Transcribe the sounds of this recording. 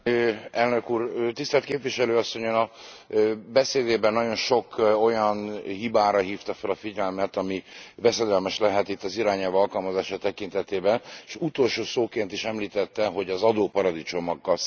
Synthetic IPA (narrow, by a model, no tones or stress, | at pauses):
ɛlnø̞kuːrt̪ist̪ɛrt̪keːpvʋiʃɛløːɒsːo̞ɲonɒ | bɛseːd̪eːbɛnːɒɟo̞nʃo̞ko̞jɒnhibaːɾɒɦiːft̪ɒfɛlɒfiɟɛlmɛt̪ɒmibɛsɛd̪ɛlmɛʃlɛɦɛt̪it̪ːɒziɾaːɲɛlvɒlkɒlmɒzaːʃɒt̪ɛkint̪ɛt̪eːbɛneʃut̪o̞lʃoːsoːkeːnt̪iʃɛmliːt̪ɛt̪ːɛɦo̞ɟɒzɒd̪oːpɒɾɒd̪it͡ʃo̞mɒɡːɒ